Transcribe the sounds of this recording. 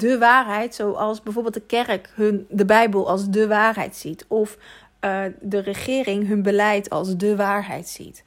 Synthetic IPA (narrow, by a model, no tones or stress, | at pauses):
dəʋaːɹɦɛjtsowʔɑlˠsbɛjvoːɹbeːlˠt̚dəkɛrkɦndəbɛjbəlˠʔɑlˠsdəʋaːɹɦɛ̰jtsitɔf | dərəχɪːrɪŋɦɵnbəlɛjtʰɑ̰lˠsdəʋaːɹɦɛ̰jtsḭt